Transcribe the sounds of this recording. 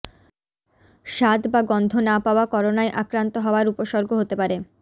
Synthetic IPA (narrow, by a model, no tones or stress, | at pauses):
ʃad̪baɡɔnd̪ʱonapaoakɔɾonaeʔakɾant̪oɦɔoaɾupoʃɔɾɡʱoɦot̪epaɾe